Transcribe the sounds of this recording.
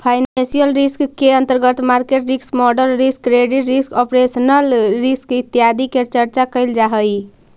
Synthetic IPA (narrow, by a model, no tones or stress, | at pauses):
pʰajnansijəlɾiskːeənt̪əɾɡət̪maɾkeʈɾiksmɔɖəɾlːiskːɾeɖiʈɾiskɔpɾesənəlɾiskit̪ːijad̪ikeɾt͡ʃəɾt͡ʃakəɪld͡ʒaɦəj